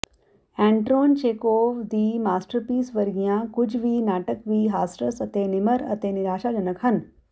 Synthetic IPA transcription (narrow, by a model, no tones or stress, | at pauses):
ɛ̃ːɳʈɾoːnt͡ʃeːkoːd̪iːmaːsʈəɾpiːsʋɐɾɡijãːkʊd͡ʒʱʋiːnaːʈəkʋiːɦaːsʈəsɐt̪eːnɪməɾɐ̰t̪eːnɪɾaːʃad͡ʒɐnəkɦɐn